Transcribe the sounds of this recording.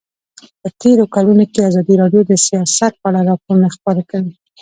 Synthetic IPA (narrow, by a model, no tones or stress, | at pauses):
pət̪eɾokalunokeazɑd̪iɾɑɖjod̪əsijɑsat̪̚pəaɽaɾɑpoɾunaxpəɾakəwi